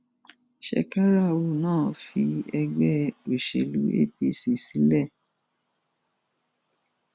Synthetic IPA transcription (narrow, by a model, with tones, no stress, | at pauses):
ʃɛ̰˧ka˦ɾa˦˨wo˦˨nãː˦˨fi˧ɛ˧ɡ͡bɛ˦o˨ʃḛ˨lṵ˨˦ḛ˦˨bi˦si˦˨si˨˦lɛ˦˨